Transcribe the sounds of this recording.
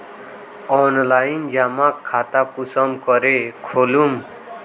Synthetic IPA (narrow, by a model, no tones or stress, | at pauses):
ɔnlaind͡ʒamakʰːat̪akusʌmkʌɾekʰolum